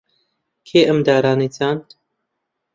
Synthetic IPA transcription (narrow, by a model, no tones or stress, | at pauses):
kʰeːʔəmd̪aːɾaːniːt͡saːnt̪